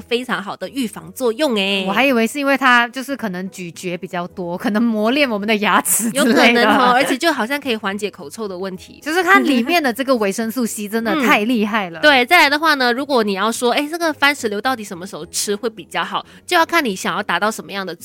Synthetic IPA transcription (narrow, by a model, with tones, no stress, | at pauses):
fe˥ɪʈ͡ʂʰɑ˧˥ŋxɑ˨˩ʊd̪ə˦y˥˩fɑ˧˥ŋt͡swɔ˥˧jʊ˥˩ŋe˨˩ɔ˨˩xa˧˥ɪi˨˩we˧˥ɪʂɻ̩˥˧i˥nwe˥˩ɪt̪ʰa˥t͡ɕjo˥˧ʊʂɻ̩˥˩kʰɤ˨˩nə˧˥ŋt͡ɕy˨˩t͡ɕɥɛ˧˥pi˨˩t͡ɕjɑ˥˩ʊt̪wɔ˥kʰɤ˨˩nɤ˧˥ŋmwɔ˧˥ljɛ˥˩nwɔ˨˩mə˦nd̪ə˧ja˧˥t͡sʰɹ̩˧˥jo˥ʊ˥ɤ˩nə˧˥ɔ˥ə˞˧˥t͡ɕʰjɛ˨˩t͡ɕjo˥˩ʊxɑ˨˩ʊɕjɑ˥˩ŋkʰi˨˩xwa˧˥nt͡ɕjɛ˧˩˥kʰo˨˩ʊt͡sʰo˥˩ʊd̪ə˩wə˥˩nt̪ʰḭ˧˥t͡ɕjo˥˧ʊʂɻ̩˥˩kʰa˥˩nli˨˩mjɛ˥˩nd̪ə˩ʈ͡ʂɤ˥˩ɡə˩we˧˥ɪʂə˥ŋsu˥˩ɕi˥ʈ͡ʂə˥nd̪ə˨˥t̪ʰa˥˧ɪli˥˧a˥˩ɪlə˩t̪we˥˩ɪt͡sa˥˩ɪla˧˥ɪd̪ə˧xwa˥˩nə˩ɻu˧˥kwɔ˨˧˥ni˨˩jɑ˥˩ʊʂwɔ˥e˥˩ɪʈ͡ʂɤ˥˩ɡə˨˩fa˥nʂɻ̩˧˥ljo˧˥ʊt̪ɑ˥˩ʊt̪i˩ʂə˧˥nmə˧ʂ̩˧˥xo˥ʊʈ͡ʂʰɻ̩˥xwe˥˩ɪpi˨˩t͡ɕjɑ˥˩ʊxɑ˨˩˦ʊt͡ɕo˥˧ʊjɑ˥˧ʊkʰa˥˩nni˧˥ɕjɑ˨˩ŋjɑ˥˩ʊt̪a˨˩t̪ɑ˥˩ʊʂə˧˥nmə˧jɑ˥˩ŋd̪ə˩